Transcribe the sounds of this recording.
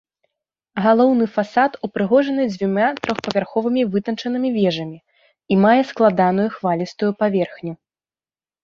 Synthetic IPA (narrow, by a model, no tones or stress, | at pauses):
ɣalˠɔwnɨfasat̪upɾɨɣɔʐɐnɨd͡zʲvʲumʲat̪ɾɔxpɐvʲarxɔvɨmʲivɨt̪ɐnt͡ʂɐnɨmʲivʲɛʐɐmʲi | imajɛsklˠad̪an̪ujuxvalʲist̪ujupavʲɛrxnʲu